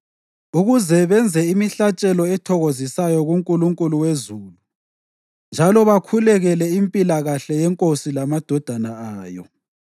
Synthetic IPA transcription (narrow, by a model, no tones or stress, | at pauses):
uɣuzɛβɛnd͡zʱɛimiɬat͡ʃʼɛlɔɛtʰɔɣozisajɔɣuŋkʼuluŋkʼuluwezuːlu | nd͡ʒʱalɔβakʰulɛɣɛlɛimpʼilaɣaɬɛjɛŋkʼosilamad̥ʱɔd̥ʱanaaːjɔ̰